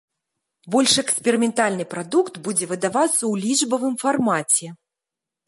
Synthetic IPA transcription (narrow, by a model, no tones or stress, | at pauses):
bɔlʲʂɛkspʲɛɾɨmʲɛnt̪alʲnɨpɾad̪ukt̪bud͡zʲɛvɨd̪avat̪sːɐwlʲiʐbɐvɨmfarmat͡sʲɛ